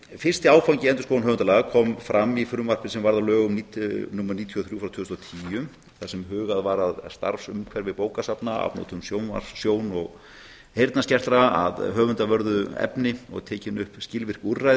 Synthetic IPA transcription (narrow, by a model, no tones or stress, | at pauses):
fɪr̥st̪ɪaːwfawɲcɪɛnt̪ʏskownɦœːvʏnt̪alaːɣakʰɔːmfɾamːifʏɾʏmvar̥pɪsɛmvaɾðalœːɣʏmniːt̪numːɛɾniːt̪ʰiɔθɾjuːfɾawt̪ʰʏːst̪ɔt̪ʰiːʏm | θasɛmɦʏːɣaðvaɾaðst̪a̰ɾfsʏmkʰvɛɾvɪðpoːwkasapnaa̰pno̰ːt̪ʰʏmsjoːwna̰̥sjoːwnɔɣ | hejɾt̪nascɛr̥t̪ɾaa̰ðɦœːɣvʏnt̪avœɾðʏɛ̰pnɪɔ̰ɣt̪ʰɛːcɪnʏhpscɪlvɪr̥kurːaj